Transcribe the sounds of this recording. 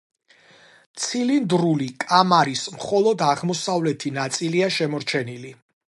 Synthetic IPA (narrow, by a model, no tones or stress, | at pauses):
t̪sʰilind̪ɾulikʼamaɾismχɔlˠɔd̪aʁmɔsavlɛt̪ʰinat̪sʼiliaʃɛmɔɾt͡ʃʰɛnili